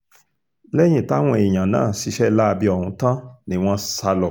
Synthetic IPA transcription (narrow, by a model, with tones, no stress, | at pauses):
lɛ˦j̃ĩ˦˨ta˦w̃ɔ̃˧i˨j̃ã˨nã̰ː˦˨ʃi˨˧˦ʃɛ˦la˦˧bi˧ɔ˨hũ˧˦tã˦nĩ˨˦˨w̃ɔ̃˦sa˧lɔ˨